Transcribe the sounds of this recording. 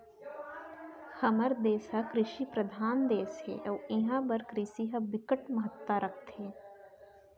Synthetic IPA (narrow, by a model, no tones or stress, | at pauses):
hɐməɾd̪eːsɦɐkɾɪʃiːpɾɐd̪ʱaːnd̪eːshḛːʔɔːɪɦãbɐɾkɾisiɦɐbɪkəʈmɐɦət̪ːaɾʔɐk̚ʰt̪ɦeː